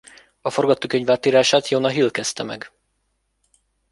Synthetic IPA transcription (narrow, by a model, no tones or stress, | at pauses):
ɒfo̞rɡɒt̪oːkøɲvaːt̪ːiːɾaːʃaːt̪jonɒɦilkɛst̪ɛmɛ̰ɡ